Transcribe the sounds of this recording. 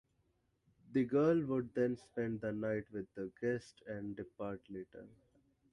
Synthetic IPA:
d̪iɡəːlʋʊɖ̚d̪ɛ̃nspɛ̃ɳɖd̪ənaɪʈʋɪd̪ːəɡɛsʈʰɛ̃ɳɖɖɪpaːɾʈleːʈə̰ɾ

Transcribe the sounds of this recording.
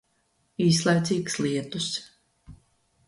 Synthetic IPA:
iːs̬lˠajt̪siːkslˠiɛt̪us

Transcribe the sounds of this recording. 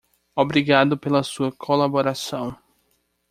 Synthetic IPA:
obɾiɡad̪ʊpelɐsuɐkʰolaboɾasɐ̃w̃

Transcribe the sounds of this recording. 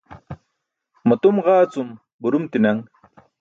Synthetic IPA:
mɐt̪umʁaːt͡sum | buɾumt̪inɐŋ

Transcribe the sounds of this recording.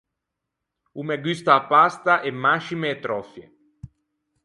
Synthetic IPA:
umeɡyst̪aːpːast̪aʔemːaʃimeːt̪ɾɔfjḛ

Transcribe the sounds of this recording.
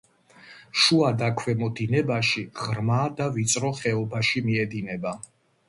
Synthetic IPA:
ʃuad̪akʰwɛmɔd̪inɛbaʃiʁɾmad̪avit̪sʼɾɔχɛɔbaʃimiɛd̪inɛba

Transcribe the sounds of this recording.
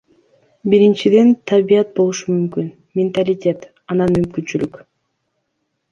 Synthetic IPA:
biɾint͡ʃid̪e̞nt̪ʰabijɑt̪̚bolˠuʃumymkyn | mʲɪnt̪alʲɪtʲe̞t̪ | ɑnɑnmymkynt͡ʃylyk

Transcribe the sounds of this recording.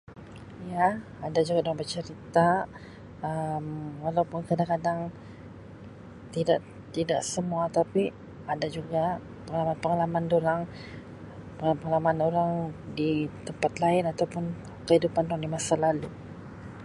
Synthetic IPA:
jaː | dad͡ʒuɡadoɾaŋbət͡ʃəɾit̪a | əmwalawpʊnkadaŋkadaŋ | t̪idaʔ | t̪idaʔsəmuat̪api | adad͡ʒuɡa | pəŋalamanpəŋalamandoɾaŋ | pəpəŋalamanoɾaŋdit̪əmpat̪laɪnat̪awpʊn | kəhidupandoɾaŋdimasalalu

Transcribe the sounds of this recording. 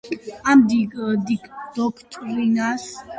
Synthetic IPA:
amd̪iɡd̪iɡd̪̥ɔkʰt̪ʼɾinas

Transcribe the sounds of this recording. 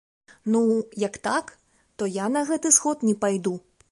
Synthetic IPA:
nujɐkt̪ak | t̪ɔjanɐɣɛt̪ɨsxɔt̪nʲɛpajd̪u

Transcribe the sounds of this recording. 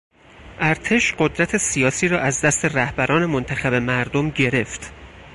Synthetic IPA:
ʔæɾt̪ʰe̞ʃɢod̪ɾæt̪ʰe̞sijɒːsiːɾɒːʔæzd̪æst̪ʰe̞ræhbæɾɒːne̞mont̪ʰæxæbe̞mæɾd̪omɟe̞ɾe̞ft̪

